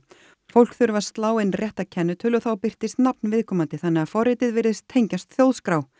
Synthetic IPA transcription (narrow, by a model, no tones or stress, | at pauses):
fowl̥kθʏɾvḁst̪laːwɪnrjɛht̪acʰɛnːʏt̪ʰʏːlɔθawpɪr̥t̪ɪst̪napnvɪðkʰɔːmant̪ɪθanːɛafɔrɪt̪ɪðvɪɾðɪst̪ʰːejɲcast̪θjowðskɾaːw